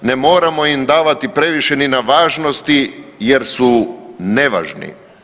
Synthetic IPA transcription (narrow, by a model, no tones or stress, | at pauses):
nemo̞ːɾamo̞imd̪aːʋat̪ipɾe̞ʋiʃeninaʋaːʒno̞st̪ijeɾsune̞ʋa̰ʒnḭ